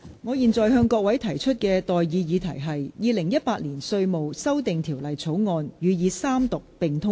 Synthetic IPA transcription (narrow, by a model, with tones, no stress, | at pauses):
ŋɔː˨˧jiː˨nt͡sɔː˨˩jɦœː˧ŋkɔː˧k̚wɐ˨˥jt̪ʰɐ˨˩jt͡ʃʰɵ˥t̚kɛː˧t̪ɔː˨jjiː˨˧jiː˨˧t̪ʰɐ˨˩jɦɐ˨jːiː˨˧lɪ˨˩ŋjɐ˥t̚paː˧t̚liː˨˩nsɵ˧ɥmo˨wsɐ˥wt̪ɪ˨ŋt̪ʰiː˨˩wlɐ˨jt͡sʰo˨˥wŋɔː˧njyː˨˧jiː˨˧saː˥mt̪ʊ˨k̚pɪ˨˩ŋt̪ʰʊ˥ŋ